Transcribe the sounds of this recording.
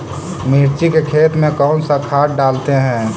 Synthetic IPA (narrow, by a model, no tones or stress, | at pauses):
miɾt͡ʃikekʰeːt̪mẽkɔːnsakʰaːʈ̚ɖaːlt̪eɦɛ̃ː